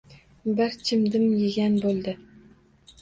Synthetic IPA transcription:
bɪɾt͡ʃʰɪmd̪ɪmjɪɡʲanbolˠd̪ɪ

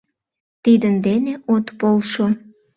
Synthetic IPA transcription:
t̪id̪ənd̪eneʔot̪polʃo

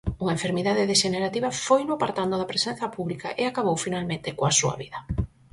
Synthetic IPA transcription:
uŋɐẽɱfeɾmiðaðeðeʃeneɾat̪iβɐfojnʊapaɾt̪and̪ʊðɐpɾesɛ̃n̟θɐpuβlika̰ʔeakaβ̞owfinalmẽnt̪ɪkoasuɐ̰βiðɐ

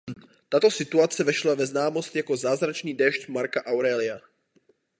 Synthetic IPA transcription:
t̪at̪o̞sɪt̪uat͡sɛvɛʃlavɛznaːmo̞st̪jako̞zaːzɾat͡ʃniːdɛːʃt̪maɾkaʔawɾɛːlɪa

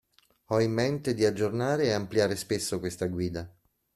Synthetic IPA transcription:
ɔimːent̪ed̪iad͡ʒːornaːɾeːampljaːɾespesːokwest̪aɡwiːd̪a

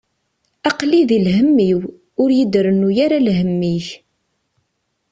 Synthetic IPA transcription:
ɑqliðilɦəmːiw | ʊɾjid̪ɾənujaɾalɦəmːiç

